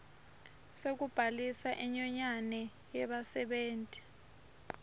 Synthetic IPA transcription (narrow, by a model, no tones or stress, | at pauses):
sek̬ub̥ʱalisaʔɛɲɔɲanɛ | jɛɓasɛɓeːntʼi̥